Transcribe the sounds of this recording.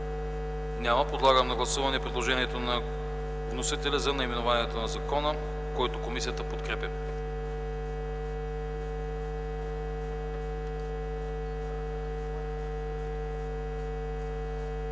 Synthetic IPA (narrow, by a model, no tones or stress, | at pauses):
nʲamɐpod̪lˠaɡəmnɐɡlˠɐsuvɐnɛpɾɛd̪lˠoʒɛniɛt̪onɐ | vnosit̪ɛlʲɐzɐnɐimɛnovaniɛt̪onɐzɐkɔnə | koit̪okomisijət̪əpot̪kɾɛpʲə